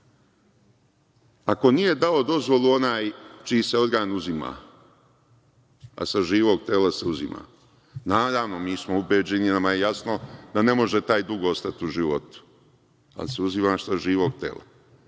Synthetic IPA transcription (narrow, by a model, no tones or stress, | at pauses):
ako̞nije̞d̪ao̞d̪o̞zʋo̞lˠuo̞naːjt͡ʃiːseo̞d̪ɡaːnuzima̰ː | a̰saʒiːʋo̞ɡ̚t̪eːlaseuzima̰ː | naːd̪aʋnomiːsmo̞ubeːd͡ʑeninamajejasno̞d̪ane̞mo̞ʒet̪aːjd̪uɡoost̪at̪iuʒiʋot̪u̥ | a̰liseuzimaːssaʒiːʋo̞ɡt̪ḛːla̰